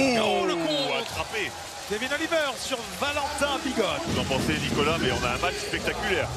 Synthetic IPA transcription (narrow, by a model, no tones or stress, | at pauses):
oləkɔ̃at̪χape | iavɛnɔ̃livœːʁsyʁ | valɑ̃t̪ɛ̃biɡɔt̪vuzɑ̃pɑ̃senikɔlamɛɔ̃naɛ̃mat͡ʃspɛk̚t̪akʲylɛːʁ